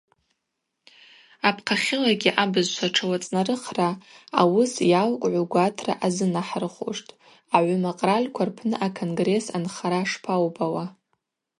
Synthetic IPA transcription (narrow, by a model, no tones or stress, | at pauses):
apʰqʰaχʲɪlaɡʲiʔabɨzt͡ʃʷʰaʈ͡ʂʰawat͡sʼnarɨχraːwʊsjalkʷʼʕʷʊɡʷatʰra̰ʔazɨnaħrɨχʷʊ̰ʂtʼ | aʕʷʊmaqʼralʲkʷʰarpʰnɨʔakʰonɡre̞sanχaɾaʂpʰawbawa